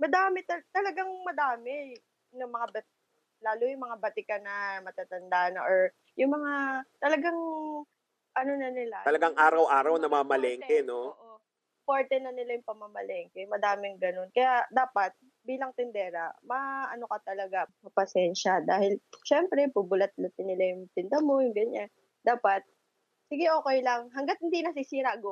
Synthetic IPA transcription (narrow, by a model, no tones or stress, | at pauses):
mɐd̪aːmɛt̪ɐt̪ɐlɐɡaŋmɐd̪aːmɛ | nʊŋmɐŋabɐt̪ | laːlʊjʊŋmɐŋabɐt̪ɪkanɐmɐt̪at̪ɐnd̪aːnɐʔoɹ | jʊŋmɐŋat̪ɐlɐɡaŋ | ʔɐnonɐnɪlaɐlɐɡaŋʔaːɾɐwʔaːɾɐwnɐmamɐlɛːŋkɛnoʔo | poɹt̪ɛnɐnɪlajʊŋpɐmːamɐlɛŋkɛmɐd̪aːmɪŋɡɐno̞nkɐjad̪aːpɐt̪̚ | biːlɐŋt̪ɪnd̪ɛːɾɐ̰mɐʔɐno̞kɐt̪ɐlɐɡamɐpɐsɛnʃɐd̪aːhɪlʃɛmpɾɛpʊbʊlɐt̪̚lɐt̪ɪnɪlajʊŋt̪ɪnd̪ɐmo̞jʊŋɡɐɲan | d̪̥aːpɐt̪̚ | siɡɛʔo̞ːkɛjlɐŋɦɐŋɡat̪̚hɪnd̪inɐs̬isiːɾɐʔɐɡo